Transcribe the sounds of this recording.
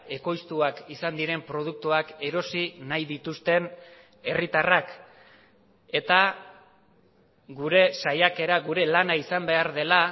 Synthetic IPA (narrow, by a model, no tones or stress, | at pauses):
e̞ko̞jst̪uakisand̪iɾe̞mpɾo̞ð̞uk̚t̪uake̞ɾo̞sinajðit̪ust̪e̞n | e̞rit̪arak | e̞t̪a | ɡuɾe̞sajake̞ɾaɣuɾe̞lanaisambe̞aɾðe̞la